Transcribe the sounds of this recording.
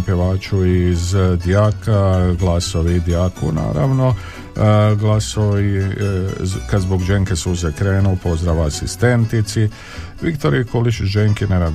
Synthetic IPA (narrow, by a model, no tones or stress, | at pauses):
pjeʋaːt͡ʃuizd̪jakaɡlˠasoʋiːd̪jakṵna̰ːɾa̰ʋno̞ | ɡlˠasoʋi | kad̪zboɡd͡ʒeŋkesuzɛkɾeːnupo̞zd̪ɾaʋaːsist̪ent̪it̪si | ʋikt̪o̞ɾikolit͡ʃʒeŋkineɾad̪